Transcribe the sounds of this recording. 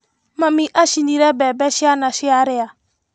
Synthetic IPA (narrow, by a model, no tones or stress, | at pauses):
mamiʔaʃindiɾɛbɛbɛʃɪanaʃɪaɾɪa